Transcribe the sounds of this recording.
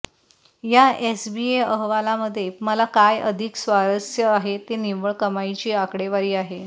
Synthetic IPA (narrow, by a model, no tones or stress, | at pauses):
jaesbieəɦʋalaməd̪ʱːjeməlakajə̰d̪ʱiksʋaɾəsjəaɦet̪eniʋəɭkəmajt͡ɕiːakɽeʋaɾiːaɦe